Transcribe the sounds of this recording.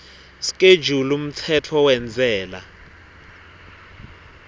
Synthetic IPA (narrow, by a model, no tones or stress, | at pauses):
si̥kʼed̥d͡ʒʱulum̩t͡sʰɛtʰɔwɛnd͡zʱɛːla